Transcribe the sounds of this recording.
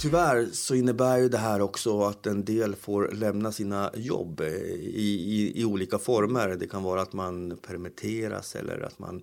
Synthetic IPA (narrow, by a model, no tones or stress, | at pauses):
t̪ʰʏvæːɾsɔɪnːəbæːɾjɵd̪ɛɦæːɾɔksɔat̪ɛnd̪eːlfoːɾlɛmnasiːnajɔ̰bːɪɪɪuːliːkafɔɾməɾd̪ɛkʰanvɑːɾaːt̪manpʰɛɾmɪt̪ʰeːɾa̰sɛ̰lːə̰ɾa̰t̪ma̰n